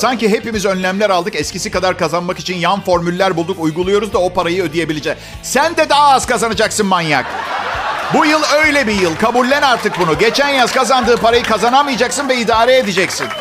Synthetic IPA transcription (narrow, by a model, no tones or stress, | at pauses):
saɲciɦe̞pimizø̞nlʲæmlʲæɾalˠd̪ɯkɛscʰisi̥kad̪aɾkazanmaki̥t͡ʃʰinjanfo̞ɾmylʲːæɾbulˠd̪ukujɡulˠujo̞ɾuzd̪ao̞pʰaɾajɯød̪ije̞bilʲid͡ʒɛ | sænd̪ɛd̪aɦaːz̥kʰazanad͡ʒaksɯnmanjak | bujɯlˠø̞jlʲɛbijɯlˠkʰabulʲːænaɾt̪ʰɯk̚bunuɟe̞t͡ʃʰænjaz̥kazand̪ɯːpaɾajɯkʰazanamɯjad͡ʒaksɯnvɛid̪aːɾɛed̪id͡ʒɛcsin